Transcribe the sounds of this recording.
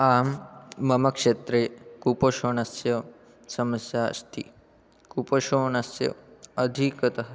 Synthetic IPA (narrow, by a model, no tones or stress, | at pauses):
aːmːɐmɐkʂet̪ɾeːkupoʃonasjɐ | sɐmɐsjaə̰st̪ʰi | kupoʃoːnasjɐ̰ɐd̪ʱikɐt̪ɐɦ